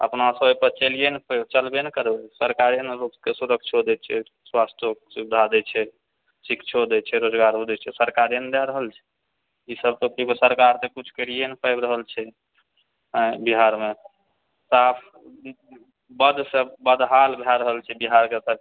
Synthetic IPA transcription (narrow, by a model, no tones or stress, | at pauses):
ə̰pnasəbpəɾt͡ʃelijenpət͡ʃəlbenekəɾbesəɾkaɾenɾupkesuɾək̚ʰt͡ʃʰɦod̪ɛt͡ʃʰɛ | swast̪ʰjoksubid̪ʱad̪ɛt͡ʃʰɛ | sikt͡ʃʰod̪ɛt͡ʃʰɛɾod͡ʒɡaɾɦod̪ɛt͡ʃʰɛsəɾkaɾend̪aɾəɦəlt͡ʃʰɛ̥ | isəb̚t̪okibəsəɾkaɾt̪ekut͡ʃʰkəɾijenpʰəjbɾəɦəlt͡ʃʰɛ | ə̃biɦaɾme | sapʰ | bəd̪səbəd̪ɦalbʱaɾəɦəlt͡ʃʰɛbiɦaɾkesə